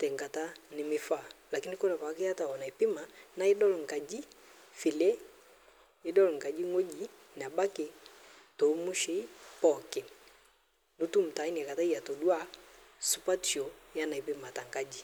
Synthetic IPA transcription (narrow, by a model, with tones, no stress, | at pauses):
tɛ˨ŋɡa˨ta˦nɪ˨mɪ˨fa˦˨la˨ki˦ni˦kɔ˦na˨pa˨˦kɛ˦a˦ta˨ɔ˨na˨i˨pi˦ma˨na˦i˦dɔ˦lŋ˨ɡa˨d͡ʒi˦ | fi˨lɛ˦ | i˦dɔ˦lɔ˨ŋɡa˨d͡ʒi˦ŋo˦d͡ʒi˨ | n˨a˨ba˦kɛ˨ | tɔ˨˦mu˦ʃɛ˦pɔ˦˨kɛ˨ | nu˨tu˦m̩˨ta˨i˦n˨ɛ˨ka˨ta˦i˦ja˨tɔ˨dwa˦su˨pa˦ti˨ɔ˨ja˦na˨i˨pi˦ma˨ta˨ŋɡa˦d͡ʒi˨